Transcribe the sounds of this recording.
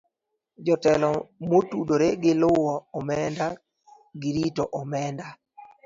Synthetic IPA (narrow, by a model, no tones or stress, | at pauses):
d͡ʒɔtɛlɔmotudoɾeɡɪlʊwɔɔmɛnda | ɡɪɾitoʔɔmɛnda